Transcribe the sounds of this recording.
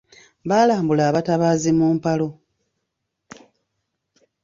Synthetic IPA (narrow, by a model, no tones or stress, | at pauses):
βaːlaːmbulaːβataβaːzimuːmpalo̞